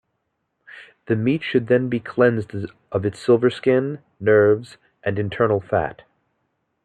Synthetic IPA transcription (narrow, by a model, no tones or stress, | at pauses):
ðɨmitʃɨd̪̚ðɨ̃nbikʰl̥ɛ̃nzd | ʔʌvɨtsɪlˠvə˞skɪ̃nː | ɜ˞vz | ʔɨ̃nɨ̃ntʰɜ˞nl̩ˠfæ̰t̚